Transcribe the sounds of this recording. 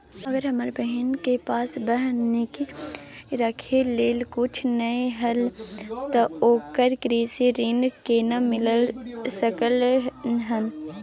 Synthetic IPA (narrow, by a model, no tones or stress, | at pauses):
ɐɡəɾɦɐməɾbəɦɪnkepaːsbəɦnːeki | ɾɐkʰeleːlkʊt͡ʃʰnəeɦɐlt̪ooːkəɾkɾiːseɾɪnɡkenamɪləlsəkəlɦən